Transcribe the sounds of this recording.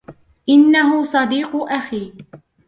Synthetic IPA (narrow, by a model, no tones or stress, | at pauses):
ʔɪnːaɦʊsˤɑd̪iːqʊʔaxiː